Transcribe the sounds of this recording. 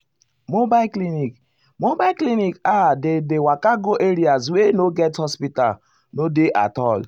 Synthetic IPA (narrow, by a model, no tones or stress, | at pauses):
mobaklinik | mobaklinikadedewakaɡoʔeɾiaswenoɡɛthɔspita̰l | nodeʔa̰tɔl